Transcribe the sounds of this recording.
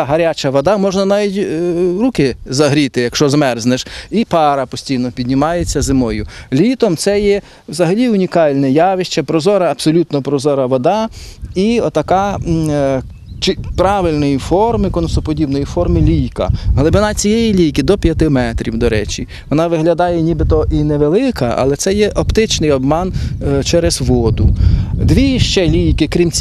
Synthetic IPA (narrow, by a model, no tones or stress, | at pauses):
ɦɐɾʲat͡ʃɐʋɔd̪ɑmɔʒnɐnɑʋʲitʲɾukɪzɐɦɾʲit̪ɪjɐkʃt͡ʃɔzmɛrznɛʃipɑɾɐpɔsʲtʲijnɔpʲid̪ʲnʲɪmɑjet͡sʲːɐzɪmɔjʊlʲit̪ɔmt̪sɛjɛ | wzɐɦɐlʲiʊnʲikɑlʲnɛjɑʋɪʃt͡ʃɐpɾɔzɔɾɐːpsɔlʲut̪nɔpɾɔzɔɾɐʋɔd̪ɑiɔt̪ɐkɑ | t͡ʃɪpɾɑʋɪlʲnɔjifɔrmɪkɔnsɔpɔdʲibnɔjifɔrmɪlʲijkɐ̰ɦlˠɪbɪnɑt͡sʲijɛjilʲijkɪd̪ɔpʲjɐt̪ɪmɛt̪ɾʲiwd̪ɔɾɛ̰t͡ʃʲi | ʋɔnɑʋɪɦlʲɐd̪ɑjɛnʲibɪt̪ɔʔinɛʋelˠɪkɐʔɐ̰lˠɛt̪sɛjɛʔɔpt̪ɪt͡ʃnɪjɔbmɑnt͡ʃɛɾezʋɔd̪ʊd̪ʋʲiʃt͡ʃɛlʲijkɪkɾʲimt͡sʲ